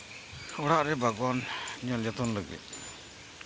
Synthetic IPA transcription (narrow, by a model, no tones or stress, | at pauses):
uɽaʔɾɛbaɡɔnɲɔljat̪ɔnləɡɛ̰ʔ̚